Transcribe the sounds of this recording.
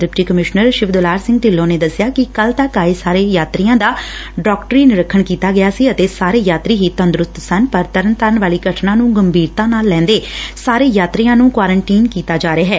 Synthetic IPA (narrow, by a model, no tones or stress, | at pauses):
d̪ɾɪpʈiːkəmɪʃnəɾʃɪʋd̪əlaːɾsɪ̃ŋɡ̚ʈ̪ɪlːõːneːd̪əsːɪjaːkɪkəlt̪əkaːeːsaːɾeːjaːt̪ɾijãːd̪aːɖɔːkʈəɾiːnɪɾəkʰːəɳkiːt̪aːɡɪjaːsiːət̪eːsaːɾeːjaːt̪ɾiːɦiːt̪ənd̪ɾʊst̪sənpəɾt̪əɾənt̪əɾəɳʋaːliːɡəʈʰnãːnũːɡəmbʱiːɾt̪ãːnaːlːɛ̃ːnd̪eːsaːɾeːjaːt̪ɾiːãːnũːkʋaːɾəɳʈiːnkiːt̪aːd͡ʒaːɾeaːɦɛː